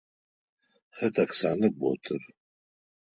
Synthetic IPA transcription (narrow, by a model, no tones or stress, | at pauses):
ħətʰʼakʰsanɨbo̰tʰʼɨr